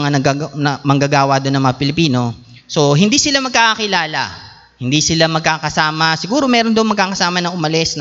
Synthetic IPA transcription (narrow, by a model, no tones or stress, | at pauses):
ŋanɐanɐmɐŋɡɐɡaːwɐd̪onɐŋmɐŋapɪlɪpiːno̞ | so̞ɦɪnd̪iːsɪlamɐɡ̚kaːkɐkɪlaːlɐ̰ | hɪnd̪iːsɪlamɐɡ̚kaːkɐsaːmɐsɪɡuːɾo̞mɛːɾond̪ɐŋmɐɡ̚kaːkɐsaːmɐnɐʔʊmɐlɛsn